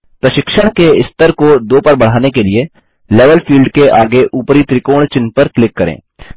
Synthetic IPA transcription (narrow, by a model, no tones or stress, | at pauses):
pɾɐʃɪkʃəɽ̃keɪst̪əɾkod̪oːpɐɾbɐɽ̤aːnekelie | leːʋəlfʰiːlɖkeʔaːɡeʔuːpɾit̪ɾɪkoːɽ̃t͡ʃɪnpəɾklɪkːɐɾḛ̃ː